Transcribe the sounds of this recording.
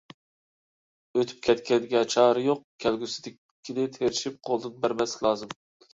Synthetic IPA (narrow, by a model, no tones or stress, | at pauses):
øt̪ʰy̥p̚kʲʰɛt̪kʲɛnd̪ɪɡʲɛt͡ʃʰɑːɾɨjoq̚kʲʰɛlɡʲysɪ̥d̪ɪ | kʲʰːid̪ɪt̪ʰeɾɪʃip̚qʰolˠd̪ɨnbæɾbɛslɪkʰʲlˠɑːzɨm